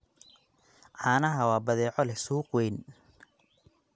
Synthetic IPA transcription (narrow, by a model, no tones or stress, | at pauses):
ʕɑːnɐɦɐwɑːbɐðɛːʕɔlɛsuːqwɛjn